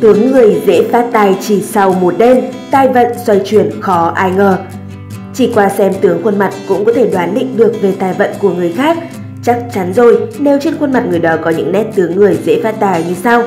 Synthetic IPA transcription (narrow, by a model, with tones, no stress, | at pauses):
t̪ɨ˨˦əŋːɨ˨˩əjzḛ˧˥faː˦˥t̚t̪aː˨˩jt͡ɕi˧˩sa˧wmo˨˩t̚ɗe˧mt̪aː˧˩jvə̰˧˨nswa˧jt͡ɕwi˧˩ənxɔ˨˦ʔaː˧jŋəː˨˩ | t͡ɕi˧˩kwaː˧sɛ˧mt̪ɨ˨˦əŋxwə˧nma˨˩t̚kʊ̰˧˥ŋ͡mkɔ˨˦t̪ʰe˧˩ɗwaː˨˦nɗḭ˧˨ŋ̟ɗɨ˨˩ək̚ve˨˩t̪aː˨˩jvə̰˧˨nku˧˩əŋɨ˨˩əjxaː˦˥k̚ | t͡ɕa˦˥k̚t͡ɕa˨˦nzo˨˩jne˨˩wt͡ɕi˧˦˥nxwə˧nma˨˩t̚ŋɨ˨˩əjɗɔ˨˦kɔ˨˦ɲɨ̰˧˥ŋnɛ˦˥t̚t̪ɨ˨˦əŋːɨ˨˩əjzḛ˧˥faː˦˥t̚t̪aː˨˩jɲi˧˩sa˧w